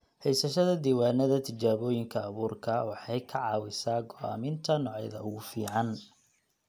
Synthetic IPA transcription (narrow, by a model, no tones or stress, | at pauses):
hɛjsɐʃɐðɐd̪iːwaːnɐðɐt̪ʰɪd͡ʒaːβɔːjɪŋkʰɐːβuːrkʰɐwɑħɑjkʰɐʕɑːwɪsaːɡɔʔa̰ːmɪnt̪ʰɐnɔʕɛjðɐ̰ʊɣʊfḭːʕɑn